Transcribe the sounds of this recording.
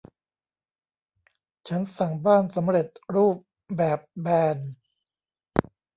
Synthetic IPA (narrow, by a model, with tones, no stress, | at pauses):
t͡ɕʰa˦˥nsa˨˩ŋbaː˥˩nsa˩˦mɾe˨˩t̪̚ɾuː˥˩p̚ | bɛː˨˩p̚bɛː˧n